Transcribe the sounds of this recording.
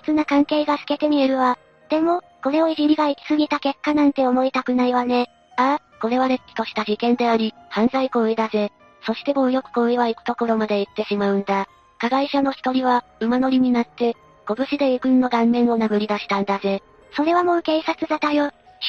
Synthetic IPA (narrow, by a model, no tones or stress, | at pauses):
t͡sɨnakãŋke̞ːɡasɨ̥ke̞t̪e̞mʲieɾɯ̟βa | d̪̥e̞mo̞ | ko̞ɾe̞o̞iʑiɾʲiɡaikʲi̥sɨɡʲit̪ake̞kːanãnt̪e̞o̞mo̞it̪akɯ̟naiβane̞ | a | ko̞ɾe̞βaɾekʲːi̥t̪o̞ɕi̥t̪aʑikẽ̞nd̪e̞aɾʲihãnzaiko̞ɯ̟id̪aze̞ | so̞ɕi̥t̪e̞mo̞ːjo̞kɯ̟̥ko̞ɯiβaikɯ̟̥t̪o̞ko̞ɾo̞mad̪e̞it̪ːe̞ɕimaɯ̟̃nd̪a | kaɡaiɕano̞çi̥t̪o̞ɾʲiβaɯ̟mano̞ɾʲiɲ̟inat̪ːe̞ | ɡ̥o̞bɯ̟ɕid̪e̞ikɯ̟nːo̞ɡãnːẽ̞ɰ̃o̞naɡɯ̟ɾʲid̪aɕi̥t̪ãnd̪aze̞ | so̞ɾe̞β̞amo̞ːke̞ːsat͡sɨd̪at̪ajo̞̥